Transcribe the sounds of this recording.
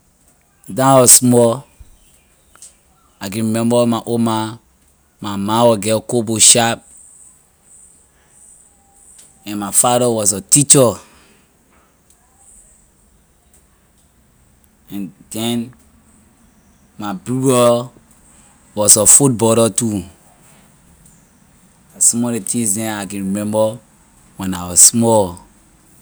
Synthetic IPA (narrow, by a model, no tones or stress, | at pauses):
dãwɔsmɔl | akɛ̃nɹimɛ̃mbɔmaʔoma | mamãwɔɡɛkoboʃap̚ | ɛ̃nmafaɾɔwɔsɔtit͡ʃɔ | ɛ̃nd̥ɛ̃n | mabɹudɔ | wɔsɔfut̚bɔɾɔtu | asɔ̃mɔdetʰĩŋsdɛ̃nakɛ̃nɹimɛ̃mbə | wɛ̃naɪwɔssmɔl